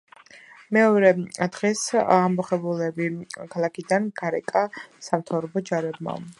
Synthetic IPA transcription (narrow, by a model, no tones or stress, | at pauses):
mɛɔɾɛd̪̥ʁɛsamɔχɛbulɛbikʰalˠakʰid̪anɡaɾɛkʼasamt̪ʰavɾɔbɔd͡ʒaɾɛb̚ma̰